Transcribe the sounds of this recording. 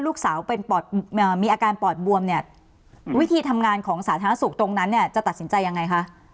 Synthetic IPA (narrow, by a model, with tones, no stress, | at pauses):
luː˥˩k̚saː˩˦wpe˧npɔː˨˩t̪̚ːmiː˧ʔaː˧kaː˧npɔː˨˩t̪̚bu˧əmni˥˩ɐ | wi˦˥t̪ʰiː˧t̪ʰa˧mŋaː˧nkʰɔː˩˦ŋsaː˩˦t̪ʰaː˧na˦˥su˨˩k̚t̪o˧ŋna˦˥nːi˥˩ɐt͡ɕa˨˩t̪a˨˩t̪̚si˩˦nt͡ɕa˧jːa˧ŋa˧jkʰa˦˥ʔ